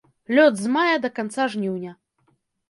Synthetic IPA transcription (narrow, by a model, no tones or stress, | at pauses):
lʲɔd̪zmajɐd̪ɐkant̪saʐnʲiwnʲɐ